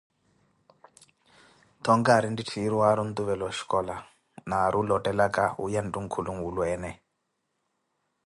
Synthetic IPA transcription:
t̪ʰɔŋɡaɾinditʰiːɾiwaɾun̩t̪uβɛlɔʃi̥kʼɔla | naɾʔulɔtʼɛlakʼaṵjandʼuŋ̩kʰuluŋwulwɛːnɛ

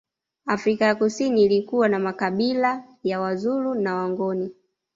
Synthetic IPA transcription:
afɾikajakusiniːlikuwanamakaɓila | jawazulunawaŋɡɔni

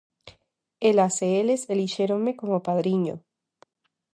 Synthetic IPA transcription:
elaseeleseliʃeɾoŋme̞ko̞mopaðɾiɲo̰

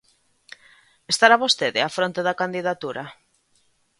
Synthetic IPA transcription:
est̪aɾaβost̪eðɪafɾont̪eðakand̪iðat̪uɾa

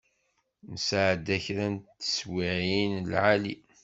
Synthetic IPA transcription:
nəsʕd̪æçɾænt̪ːə̥swiʕinlʕali

